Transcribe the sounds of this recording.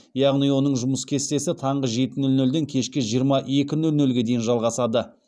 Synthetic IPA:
jɑʁnijwo̞nəɴʒʊməskʲʰe̞st̪e̞sɪt̪ʰɑɴʁəʒe̞t̪ɪnɵlnɵld̪e̞ŋkʲʰe̞ʃkʲɪʒijəɾmɑʔe̞kʲɪnɵlnɵlɡʲe̞d̪e̞jɪnʒɑlˠʁɑsɑd̪ə

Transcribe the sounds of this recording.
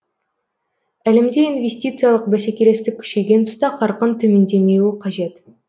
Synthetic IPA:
ælemd̪einvʲe̞sʲt̪it̪sɨjalˠəqbæsekʲeɾe̞st̪ɪkʲʰʏ̥ʃe̞ɡʲe̞nt̪ʰʊ̥st̪ɑqʰɑɾqənt̪ʰɵme̞nd̪e̞me̞wɪqʰɑʒe̞t̪

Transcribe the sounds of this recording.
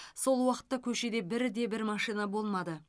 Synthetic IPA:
so̞lˠwɑqə̥t̪ːɑkʲʰɵʃe̞d̪e̞bɪɾd̪e̞bɪɾmɑʃijnabo̞lˠmɑd̪ə

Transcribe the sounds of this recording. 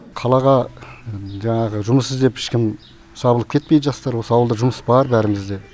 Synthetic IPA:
qʰɑlˠɑʁɑ | ʒɑɴɑʁəʒʊməsəzd̪e̞pɪ̥ʃkʲɪm | sɑbəlˠəp̚kʲʰe̞t̪pejd̪əʒɑst̪ɑɾwo̞səɑwəlˠd̪əʒʊməsbɑɾbæɾɪmɪzd̪e̞

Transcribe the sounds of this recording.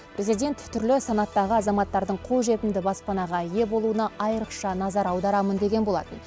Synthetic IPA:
pɾʲe̞zijd̪ʲe̞nt̪ʰːʏɾlɪsɑnɑt̪ːɑʁəɑzɑmɑt̪ːɑɾd̪əɴqʰolˠʒe̞t̪ɪmd̪ɪbɑspɑnɑʁɑje̞bo̞lˠuənɑʔɑjəɾəqʃɑnɑzɑɾɑwd̪ɑɾɑmənd̪e̞ɡʲe̞nbolˠɑ̰t̪ən

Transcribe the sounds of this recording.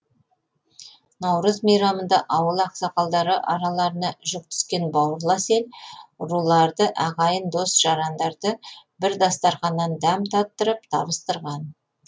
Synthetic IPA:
nɑwɾəzmejɾɑmənd̪ɑʔɑwəlˠɑqsɑqɑlˠd̪ɑɾəʔɑɾɑlˠɑɾənɑʒʏk̚t̪ʰʏ̥skʲe̞nbɑwəɾlˠɑse̞lɾulˠɑɾd̪əʔɑʁɑjənd̪o̞sʒ̥ɑɾɑnd̪ɑɾd̪əbɪɾd̪ɑst̪ɑɾχɑnːɑnd̪æmt̪ʰɑt̪ːəɾəpt̪ʰɑ̰bəst̪əɾʁɑn

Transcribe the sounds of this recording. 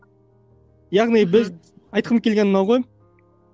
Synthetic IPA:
jɑʁnijbɪz | ɑjt̪̚qʰəmkʲʰe̞lɡʲennɑwʁoj

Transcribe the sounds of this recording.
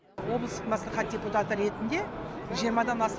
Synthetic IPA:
wo̞blˠəst̪əqmɑslˠɑχɑt̪̚dʲe̞put̪at̪əɾe̞t̪ɪnd̪e̞ʒijəɾmɑd̪ɑnɑst̪

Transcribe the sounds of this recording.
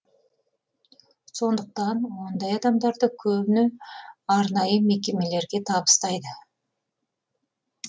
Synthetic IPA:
so̞nd̪əq̚t̪ɑnwo̞nd̪ɑjɑd̪ɑmd̪ɑɾd̪əkʲʰɵbɪnɪɑɾnɑjəme̞kʲe̞me̞le̞ɾɡʲe̞t̪ʰɑbə̥st̪ɑjd̪ə

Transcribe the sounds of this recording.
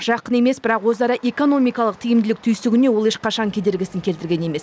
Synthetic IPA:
ʒ̥ɑqəne̞me̞sbɪɾɑqwo̞zɑɾɑʔe̞ko̞no̞mijkɑlˠəq̚t̪ʰijɪmd̪ɪlɪk̚t̪ʰʏjsɪɡʲɪne̞wo̞lˠeʃqɑʃɑŋkʲʰe̞d̪e̞ɾɡʲɪsɪŋkʲʰlt̪ɪɾɡʲe̞ne̞me̞s

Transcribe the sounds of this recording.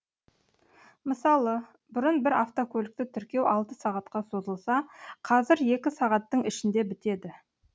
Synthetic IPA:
məsɑlˠə | bʊɾənbɪɾaft̪okʲʰɵlɪk̚t̪ɪt̪ʰʏɾkʲe̞wɑlˠt̪əsɑʁɑt̪qɑso̞zəlˠsɑqʰɑzɪɾje̞kʲɪsɑʁɑt̪ːəɴɪʃɪnd̪e̞bɪt̪e̞d̪ɪ

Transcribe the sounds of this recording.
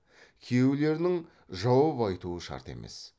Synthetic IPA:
kʲʰewle̞ɾɪnɪŋ | ʒɑwɑpɑjt̪uəʃɑ̰ɾt̪e̞̰me̞̰s

